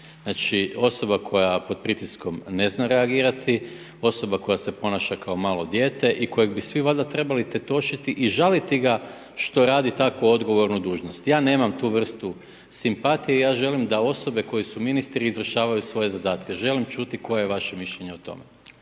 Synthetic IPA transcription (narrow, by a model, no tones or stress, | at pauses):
znat͡ʃio̞so̞bakʰo̞japo̞d̪̚pɾit̪isko̞mne̞znaɾe̞aɡiːɾat̪i | o̞so̞bako̞jase̞po̞naʃakao̞maːlˠo̞d̪je̞ːt̪e̞ʔiko̞jeɡ̚bisʋiʋad̪at̪ɾe̞balit̪e̞t̪o̞ʃit̪iʔiʒalit̪iɡa | ʃt̪o̞ɾaːd̪it̪akʋoo̞d̪ɡo̞ʋo̞ɾnud̪uːʒnost̪jaːne̞ːmamt̪uːʋr̩st̪u | simpat̪ijeijaːʒe̞limd̪ao̞so̞be̞ko̞jisuminist̪ɾiːzʋr̩ʃaːʋajusʋo̞je̞zad̪aːt̪ke̞ʒe̞limt͡ʃuːt̪iko̞jejeʋaʃe̞miʃʎe̞ɲe̞ot̪o̞̰me